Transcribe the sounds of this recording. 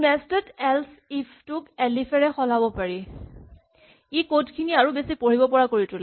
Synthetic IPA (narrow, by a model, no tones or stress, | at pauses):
nɛstɛdɛls | ipʰtʊkɛlifʰɛɹɛxɔlabɔpaɹi | ikotkʰiniaɹubesipoɹibɔpɔɹakoɹitʰʊlɛ